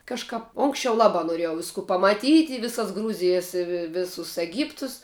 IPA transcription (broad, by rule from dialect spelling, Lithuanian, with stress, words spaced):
ˈkɑːʃkɐp ˈoːŋksʲt͡ʃʲɛʊ ˈlˠɑːbɑː noːˈrʲiɛjɛʊ ˈʋʲɪskʊ pɐmɐˈtʲiːtʲ ɪ ˈʋʲɪsɐs ˈɡruːzʲɪjɛs ɪ ʋʲɪ ˈʋʲɪsʊs ɛˈɡʲiːptʊs